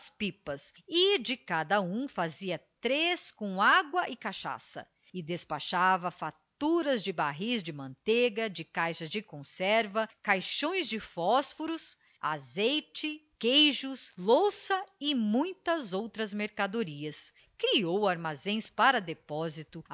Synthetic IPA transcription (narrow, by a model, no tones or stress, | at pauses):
spipɐsɪd͡ʒɪkad̪ɐũfaziɐt̪ɾeskõw̃aɡwɐʔɪkaʃa̰sɐ̰ | ɪd̪espaʃavɐfat̪uɾɐzd͡ʒɪbaɦizd͡ʒɪmɐ̃nt̪eɡɐd͡ʒɪkajʃɐzd͡ʒɪkõsɛɾvɐkajʃõj̃zd͡ʒɪfɔsfoɾʊs | a̰zejt͡ʃɪkejʒʊslosɐɪmũj̃t̪ɐzowt̪ɾɐzmeɾkad̪oɾiɐs | kɾiowaɾmazẽj̃spaɾɐd̪epɔzit̪ʊ